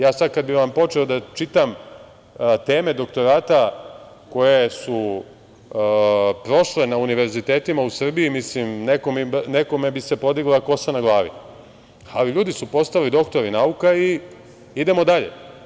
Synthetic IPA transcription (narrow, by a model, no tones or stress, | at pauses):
jaːsad̪̚kad̪̚biʋampo̞t͡ʃeod̪at͡ʃit̪am | t̪e̞ːme̞d̪o̞kt̪o̞ɾaːt̪a | ko̞je̞su | pɾo̞ʃle̞nauniʋe̞ɾzit̪e̞ːt̪imausr̩bijimislimnekomineko̞me̞bise̞po̞d̪iɡlako̞sanaɡlˠaːʋḭ | aliʎuːd̪isupo̞st̪alid̪o̞kt̪o̞ɾinaukai | id̪e̞mo̞d̪aʎḛ